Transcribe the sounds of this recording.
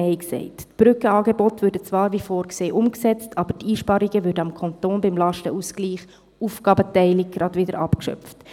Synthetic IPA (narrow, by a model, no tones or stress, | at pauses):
ɛɪksɛ̰ɪttb̥ɾʏkəɑːɡebɔtvʉːɾdət͡svɑːɾvifɔːɾkseːʔʊmksɛt͡stʰɑːb̥ətiːʃpɑɾiɡ̥əʋʏɾdəɑmkʰɑntoːnbɪmlɑʃtəʔusɡliːχ | ufɡ̥ɑːbətɛɪlɪɡ̚ɡ̥ɾɑdʋɪdəɾʔɑpkʃœ̰ft